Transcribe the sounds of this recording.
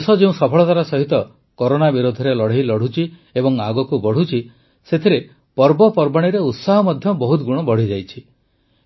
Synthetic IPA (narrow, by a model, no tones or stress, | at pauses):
sɔd͡ʒeũsɔpʰɔɭɔt̪aɾasɔɦit̪ɔ | koɾonabiɾod̪ʱɔɾelɔɽ̤ejlɔɽ̤ut͡ʃiebɔŋaɡɔkubɔɽ̤ut͡ʃʰi | set̪ʰiɾe | pɔɾbɔpɔɾbaɽ̃iɾeut̪saɦɔmɔd̪ʱjɔbɔɦut̪ɡuɽ̃ɔbɔɽ̤id͡ʒajt͡ʃʰi